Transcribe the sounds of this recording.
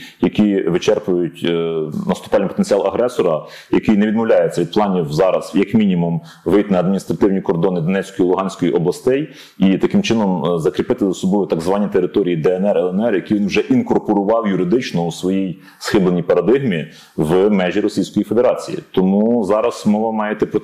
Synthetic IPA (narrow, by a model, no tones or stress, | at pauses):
jɐkʲiʋɪt͡ʃɛrpʊjʊtʲnɐst̪ʊpɑlʲnjpɔt̪ent͡sʲiɑlˠɐɦɾɛsɔɾɐ | jɐkɪjnɛʋʲid̪mɔwlʲɑjet͡sʲɐʋʲid̪̚plˠɑnʲiwzɑɾɐz̥jɐkmʲinʲimum | ʋɪjt̪nɐːd̪̚mʲinʲist̪ɾɐt̪ɪwnʲikɔrd̪ɔnɪd̪ɔnɛt͡sʲkɔjilˠʊɦɑnʲsʲkɔjiʔɔblˠɐst̪ɛj | it̪ɐkɪmt͡ʃɪnɔmzɐkɾʲɪpɪt̪ɪzɔsɔblɪʋʊt̪ɑɡzʋɑnʲːit̪eɾɪt̪ɔɾʲijid̪ɛɛnɛrɛlˠɛnɛrjɐkʲijʋʲinwʒɛʔinkɔrpɔɾʊʋɑwjʊɾɪd̪ɪt͡ʃnɔusʋɔjij | sxɪblˠenʲijpɐɾɐd̪ɪɣmʲi | ʋmɛʒʲiɾɔsʲijsʲkɔjifed̪e̞ɾɑt͡sʲḭjḭt̪ɔmuzɑɾɐzmɔʋɐmɑjet̪ɛpɾɔ